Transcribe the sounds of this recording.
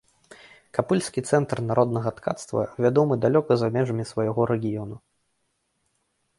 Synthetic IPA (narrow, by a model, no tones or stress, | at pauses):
kapɨlʲsʲkʲit̪sɛnt̪rnaɾɔd̪nɐɣɐt̪ka̰t̪st̪vɐ̰vʲad̪ɔmɨd̪alʲɔkɐzamʲɛʐɐmʲisvɐjaɣɔɾɛɡʲijɔnu